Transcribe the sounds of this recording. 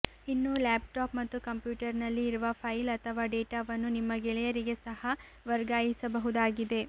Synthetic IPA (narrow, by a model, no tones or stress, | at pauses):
inːulaːp̚ʈaːpmɐt̪ːukɐmpjuːʈɐɾnɐlːiːɾuʋɐpʰɐjlɐt̪ʰɐʋaːɖeːʈaːʋɐnːunimːɐɡɛɭɛjɐɾiɡe̞sɐhɐ | ʋɐɾɡaːjisɐbɐɦud̪aːɡid̪e̞